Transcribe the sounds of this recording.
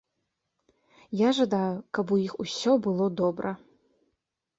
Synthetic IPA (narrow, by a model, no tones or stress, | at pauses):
jaʐad̪ajukɐbujixusʲɔbɨlˠɔd̪ɔbɾɐ